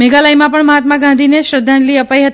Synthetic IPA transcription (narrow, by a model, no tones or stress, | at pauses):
meɡalajmãpəɳməɦat̪maɡãnd̪ʱineʃɾəd̪ʱːãnliəpaiɦət̪i